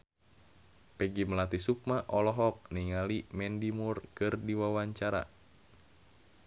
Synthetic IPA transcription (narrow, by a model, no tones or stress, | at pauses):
pɛɡiməlat̪isuk̚maʔɔlɔɦɔk̚niŋalimɛndimurkɨrdiwawaɲt͡ʃaɾa̰